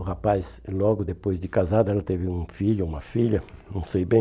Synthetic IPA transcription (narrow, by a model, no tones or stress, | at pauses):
ʊhapas | lɔɡʊd̪epojzd̪ɪkazad̪ɐɛlɐt̪evɪũfiʎʊũmɐfiʎɐnɐ̃w̃sejbẽ